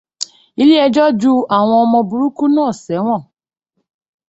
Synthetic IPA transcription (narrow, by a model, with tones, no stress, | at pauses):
i˦li˦ɛ˧d͡ʒɔ˦d͡ʒu˦a˦˨w̃ɔ̃˧ɔ˧mɔ̃˧bu˨ɾu˦ku˦nãː˦˨sɛ˨˦w̃ɔ̃˦˨